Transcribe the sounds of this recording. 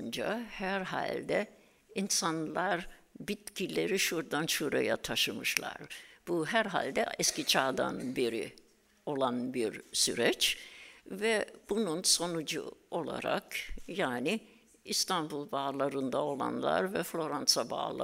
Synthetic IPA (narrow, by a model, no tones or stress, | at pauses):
nd͡ʒa̰hæɾɦa̰lʲd̪ɛ | insanlˠaɾbit̪cʰilʲe̞ɾiʃuɾd̪anʃuɾa̰ja̰t̪ʰaʃɯmɯʃlˠa̰ɾb̥uɦæɾɦa̰lʲd̪ɛ̰ɛscit͡ʃʰaːd̪a̰nbeɾḭ | o̞lˠanbiɾsy̰ɾɛt͡ʃ | vɛb̥ununso̞nud͡ʒṵo̞lˠa̰ɾa̰kjaːni | ist̪ʰanbulˠbaːlˠaɾɯnd̪ao̞lˠa̰nlˠa̰ɾvɛflʲo̞ɾansaba̰ːlˠa̰